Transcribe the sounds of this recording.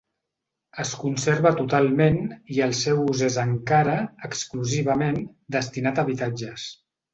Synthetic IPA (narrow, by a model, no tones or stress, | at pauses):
əskunseɾβət̪ut̪alˠmeniəlˠsɛwuzezəŋkaɾəəkskluziβ̞əmen | d̪əst̪inat̪əβit̪ad͡ʒəs